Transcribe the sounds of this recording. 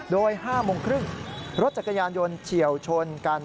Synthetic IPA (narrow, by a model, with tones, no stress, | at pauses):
doː˧jhaː˥˩moː˧ŋkʰɾɯ˥˩ŋɾo˦˥t̪̚t͡ɕa˨˩kːa˧jaː˧njo˧nt͡ɕʰi˨˩əwt͡ɕʰo˧nka˧n